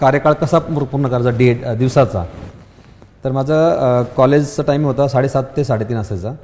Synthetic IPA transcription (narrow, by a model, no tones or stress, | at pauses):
kaɾjəkaɭkəsamuɾ̚puɾɳəkəɾat͡saɖieʈd̪iʋsat͡sa̰ | t̪əɾmad͡zʱakɔled͡ʑt͡saʈajmiɡɦot̪asaɽesat̪ːʰesaɽet̪iːnəsajt͡sa